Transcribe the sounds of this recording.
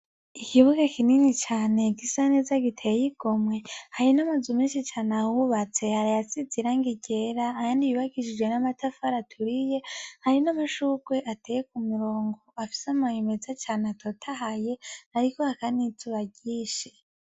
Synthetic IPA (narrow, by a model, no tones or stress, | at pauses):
ikiβuɡakʰininit͡ʃaːne̞ɡisanezaɡitʰejiɡ̥o̞mwe̞haɾinamazumiːnʃit͡ʃaːnahuβat͡se̞haɾajat͡sid͡ziɾaŋɡiɟe̞ɾaːjaːndijuβaɡiʃid͡ʒɡwe̞namatafaɾatʰuɾije̞haɾinamuʃuɡweʔatejekumiɾo̞ːŋɡoafi̥samahimezat͡ʃaːneatʰotʰaɦaje̞aɾikohakanituβaɟiːʃe̥